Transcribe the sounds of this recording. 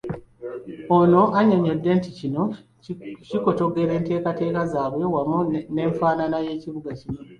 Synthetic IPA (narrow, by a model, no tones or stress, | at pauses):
ono̞ʔaɲoɲodːe̞nticino̞ | ciko̞to̞ɡe̞ɾe̞ːnte̞ːkate̞ːkazaːβwe̞wamune̞ːɱfaːnanaje̞ːciβuɡacino̞